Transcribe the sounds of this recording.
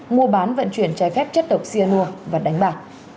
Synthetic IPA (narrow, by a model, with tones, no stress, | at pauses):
mu˧əɓaː˨˦nvə̰˧˨nt͡ɕwi˧˩ənt͡ɕa˧jfɛ˦˥p̚t͡ɕə˦˥t̚ɗə˨˩wk͡p̚si˧ənu˧əvaː˨˩ɗa˨˦jŋ̟ɓaː˨˩t̚